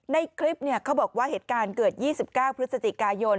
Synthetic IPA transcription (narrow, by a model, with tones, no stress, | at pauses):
na˧jkʰɾi˦˥p̚ni˥˩ɐkʰa˦˥wbɔː˨˩k̚waː˥˩heː˨˩t̪̚kaː˧nkɤː˨˩t̪̚jiː˥˩si˨˩p̚kaː˥˩wpʰɾɯ˦˥t̪̚sa˧t͡ɕi˨˩kaː˧jo˧n